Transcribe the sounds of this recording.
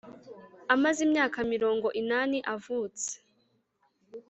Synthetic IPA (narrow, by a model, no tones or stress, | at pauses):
amazimɲaːkamiɾo̞ːŋɡo̞ʔinaːniʔavuːt͡se̥